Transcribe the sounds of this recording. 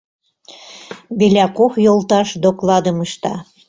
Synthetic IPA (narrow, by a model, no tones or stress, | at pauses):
βelʲækoxjolt̪ɑʃd̪oklɑd̪əməʃt̪ɑ̰